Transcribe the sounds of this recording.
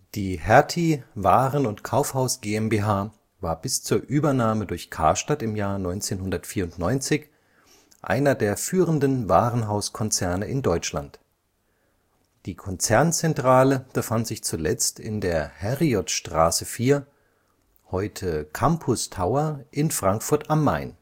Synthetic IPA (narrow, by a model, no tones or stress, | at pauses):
d̥iːhɛɐtʰivaːʁənʊntkʰaʊfhaʊsɡ̥eːɛmbeːɦaː | vaːɐbɪst͡suːɐʔyːbɐnaːmədʊɐçkʰa̰ːʃtatɪmjaːɐnɔʏnt͡seːnɦʊndɐtfiːɐʊntnɔʏnt͡sɪç | ʔa̰ɪnɐdeːɐfyːʁəndn̩vaːʁənɦaʊskʰɔnt͡sɛɐnəʔɪndɔʏt͡ʃla̰nt | d̥iːkʰɔnt͡sɛɐnt͡sɛntʁ̥aːləb̥əfantz̥ɪçt͡sulɛt͡stɪ̰ndeːɐhɛʁiɔtʃtʁ̥a̰ːsəfiːɐ | hɔʏtʰəkʰampʰʊstʰaʊɐʔɪnfʁ̥aŋkfʊɐtamːaɪn